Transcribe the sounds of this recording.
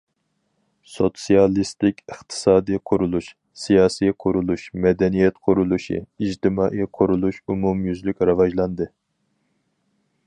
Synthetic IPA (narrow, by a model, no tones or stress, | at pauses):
sot̪sijɑlˠist̪ɪkʲɨχt̪ʰɨ̥sɑːd̪ijqʰʊɾulˠuʃ | sijɑːsijqʰʊɾulˠuʃmɛd̪ɛnijɛt̪qʰʊɾulˠuʃḭid͡ʒt̪ʰɪmɑːʔiqʰʊɾulˠuʃumumjyzlykʲɾɑvɑʒlˠɑnd̪ɨ